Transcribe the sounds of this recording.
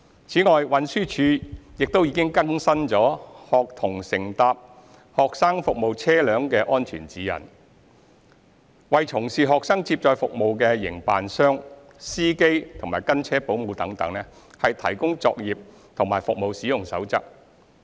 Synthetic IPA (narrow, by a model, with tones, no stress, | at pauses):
t͡sʰiː˨˥ŋɔː˨jwɐ˨˥nsyː˥t͡ʃʰyː˨˧jɪ˨k̚t̪o˥wjiː˨˧˥kɪ˥ŋkɐ˥ŋsɐ˥nt͡sɔː˨˥hɔː˨k̚t̪ʰʊ˨˩ŋsɪ˨˩ŋt̪aː˨p̚ | hɔː˨k̚saː˥ŋfʊ˨k̚mo˨˧wt͡sʰɛː˥lœː˨˥ŋkɛː˧ʔɔː˥nt͡ʃʰy̰ː˨˩nt͡siː˨˥jɐ̰˨˩n | wɐ˨jt͡ʃʰʊ˨˩ŋsiː˨ɦɔː˨k̚saː˥ŋt͡siː˧p̚t͡ʃɔː˨˧jfʊ˨k̚mo˨wkɛː˧jɪ̰˨˩ŋpa̰ː˨nsœː˥ŋ | siː˥ke˥jt̪ʰʊ˨˩ŋmaː˨˩jkɐ˥nt͡sʰɛː˥po˨˥wmu˨˧wt̪ɐ˨˥ŋt̪ɐ̰˨˥ŋnɛ˥ | hɐ˨jt̪ʰɐ̰˨˩jkʊ˥ŋt͡sɔ̰ː˧k̚jiː˨p̚ | t̪ʰʊ˨˩ŋmaː˨jfʊ˨k̚mo˨wsiː˨˥jʊ˨˩ŋsɐ̰˨˥wt͡sɐ˥k̚